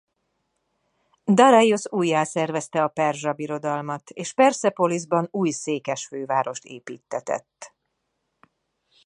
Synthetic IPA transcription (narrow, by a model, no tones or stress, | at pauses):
d̪ɒɾɒjosuːjːaːsɛrvɛst̪ɛɒpɛrʒɒbiɾo̞d̪ɒlmɒt̪eːʃpɛrsɛpo̞lizbɒnuːjseːkɛʃføːvaːɾo̞ʃt̪ḛːpiːt̪ːɛt̪ɛ̰t̪ː